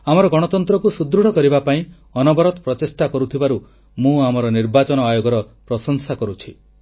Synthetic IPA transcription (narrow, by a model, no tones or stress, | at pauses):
amɔɾɔɡɔɽ̃ɔt̪ɔnt̪ɾɔkusud̪ɾuɽ̤ɔkɔɾibapaĩ | ɔnɔbɔɾɔt̪ɔpɾɔt͡ʃesʈakɔɾut̪ʰibaɾu | mũamɔɾɔniɾbat͡ʃɔnɔajoɡɔɾɔpɾɔsɔnsakɔɾut͡ʃʰi